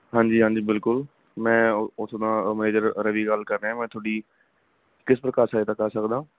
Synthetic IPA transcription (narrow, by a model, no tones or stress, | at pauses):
ɦãːɲd͡ʒiːɦãːɲd͡ʒiːbɪlkʊl | mɛ̃ːʊsd̪ãːməneːd͡ʒəɾɾəʋiːɡəlkəɾːɛ̃ːmɛ̃ːt̪ʰoːɽiː | kɪspɾəkaːɾsaːeːt̪aːkaːsəkd̪ãː